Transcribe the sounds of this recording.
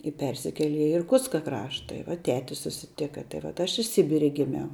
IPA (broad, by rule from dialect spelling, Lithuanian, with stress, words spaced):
ɪ ˈpʲɛrʲsʲɪkʲɛlʲɛ ɪ ɪrˈkʊtskɐ ˈkrɑːʃtɐ ɪ ʋɐ ˈtʲæːtʲɪ sʊsʲɪˈtʲɪkɐ tɐɪ ʋɐt ˈɐʃ ɪ ˈsʲɪbʲɪrʲɛ ɡʲɪˈmʲɛʊ